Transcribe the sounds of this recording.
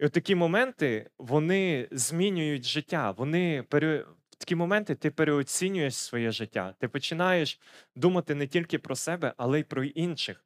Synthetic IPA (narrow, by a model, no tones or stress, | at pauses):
ɔt̪ːɐkʲimɔmɛnt̪ɪʋɔnɪzʲmʲinʲʊjʊtʲʒɪtʲːaʋɔnɪpeɾew̥t̪ɐ̥kʲimɔmɛnt̪ɪt̪ɪpeɾeɔt͡sʲinʲʊjeʃʲsʋɔjɛʒɪtʲːa̰t̪ɪpɔt͡ʃɪnɑjeʃ | d̪umɐt̪ɪnɛtʲilʲkɪpɾɔsɛbɛʔɐlˠɛipɾɔinʃɪx